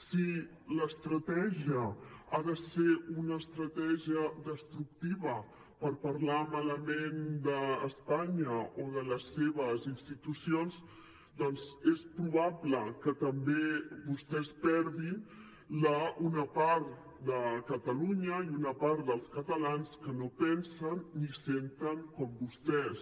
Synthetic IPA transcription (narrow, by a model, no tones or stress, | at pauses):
si | ləst̪ɾət̪ɛʒiəaðəseunəːst̪ɾət̪ɛʒiəðəst̪ɾuk̚t̪iβə | pəɾpəɾlamaləmend̪əːspaɲəoðələsːeβ̞əzinst̪it̪usionz | d̪ɔnzespɾuβaβləkət̪əmbebust̪ɛspɛɾðin | ləunəpaɾt̪ | d̪əkət̪əluɲəiunəpaɾt̪d̪əlˠskət̪əlanskənopɛnsənːisent̪əŋkɔmbust̪ɛs